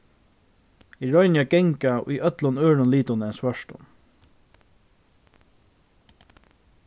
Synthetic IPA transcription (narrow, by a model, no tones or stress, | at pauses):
iɹɔʏnɪaɡɛŋkaʊ̰jœt̪lʊnøːɻʊnliːt̪ʊnɛnsʋœʃt̪ʊ̰m